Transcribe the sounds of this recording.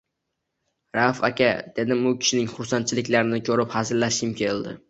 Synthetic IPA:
ɾafa̰kʲad̪̥e̞d̪ɪmʊkʲʰɪ̥ʃɪnɪŋχʊɾsant͡ʃʰɪlɪkʲlaɾɪnɪkʲʰɵɾɪphazɪɾlaʃɪmkʲʰeld̪ɪ̰

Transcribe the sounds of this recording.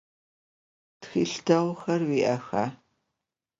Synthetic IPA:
txḭːɬtʰɐʁʷxɐrwiːʔɐxaː

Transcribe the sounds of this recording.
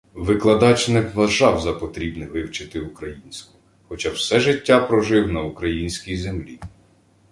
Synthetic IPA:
ʋɪklˠɐd̪ɑt͡ʃnɛʋɐʒɑwzɐpɔt̪ɾʲibnɛʋɪwt͡ʃɪt̪ɪʊkɾɐjinʲsʲkʊ | xɔt͡ʃɑwsɛʒɪtʲːapɾɔʒɪwnɐukɾɐjinʲsʲkʲijzemlʲi

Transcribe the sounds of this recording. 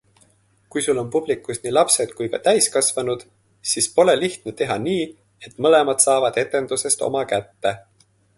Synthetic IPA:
kujsulo̞npub̥likːˑusniːlɑpse̞d̪̥kujkɑ̰t̪æjskɑsvɑnud̪̥ | sispo̞le̞liht̪net̪e̞ɦɑniː | e̞t̪ːˑmɤle̞mɑd̪̥sɑːvɑd̪̥e̞t̪ːˑe̞nd̪̥use̞st̪o̞̰mɑkæt̪ːe̞

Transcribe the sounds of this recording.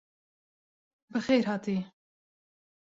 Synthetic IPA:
bɨxejɾɦɑːt̪iː

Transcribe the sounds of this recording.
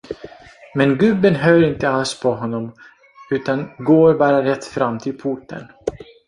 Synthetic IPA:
mɛnɡɵbːənɦøːɾɪnt̪əalspʰɔɦɔnːɔm | ʉ̟ːt̪anɡoːɾbɑːɾaɾɛt̪ːfɾamːt̪ʰɪlpʰʊʈːə̰n

